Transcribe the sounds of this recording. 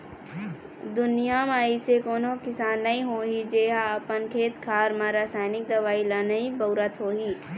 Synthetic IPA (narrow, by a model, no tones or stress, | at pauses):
d̪ʊnijamaːisekoːnõkɪsaːnːɐĩɦoːɦid͡ʒeːɦaːpənkʰeːt̪kʰaːɾmãɾaːsaːjnɪk̚d̪ɐʋaːilanəĩbəʊɾət̪ɦoːɦiː